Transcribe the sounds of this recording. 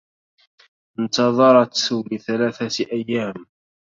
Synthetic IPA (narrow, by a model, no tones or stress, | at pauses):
ɪnt̪ɑðˤɑɾˤɑt̪lɪθalaːθat̪ʔajːaːm